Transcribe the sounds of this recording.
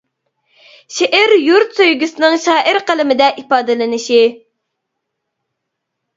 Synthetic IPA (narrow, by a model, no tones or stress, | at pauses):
ʃeʔæɾjuɾt̪søjɡʲysɨnɨŋʃɑːʔɪɾqʰəlɪmɪd̪ɛʔipɑːd̪ɨlɪnɪʃi